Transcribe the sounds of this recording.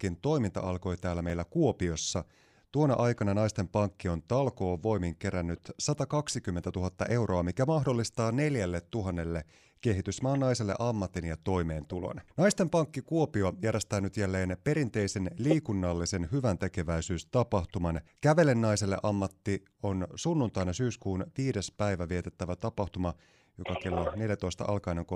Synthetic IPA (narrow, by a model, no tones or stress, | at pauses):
kːint̪o̞jmint̪ɑ̰ɑlko̞jt̪æːlːæme̞ilːækuo̞pio̞sːɑ | t̪uonɑ̰ʔɑjkɑnɑnɑjst̪e̞mpɑŋkːio̞nt̪ɑlko̞ːʋːo̞jmiŋke̞ɾænːyt̪sɑt̪ɑkɑksikymːent̪æt̪uɦɑt̪ːɑ̰ʔe̞uwroɑmikæmɑɦdolːist̪ɑːne̞ljælːet̪ːuɦɑnːe̞lːe | ke̞ɦit̪ysmɑːnːɑiselːe̞̰ʔɑmːɑt̪injɑt̪o̞jme̞ːnt̪ulo̰nnɑjst̪empɑŋkːikuo̞piojæɾjest̪æːnyt̪jælːe̞ːnpe̞ɾint̪e̞ise̞nliːkunːɑlːise̞nhyʋænt̪e̞ke̞ʋæisyːst̪ɑpɑht̪umɑnkæʋe̞lenːɑise̞lːeʔɑmːɑt̪ːi | o̞nsunːunt̪ɑinɑsyːskuːnt̪iːdespæjʋæʋiet̪et̪ːæʋæt̪ɑpɑht̪umɑ | jo̞kɑke̞lːone̞ljæt̪o̞ist̪ɑ̰ʔɑ̰lkɑineŋko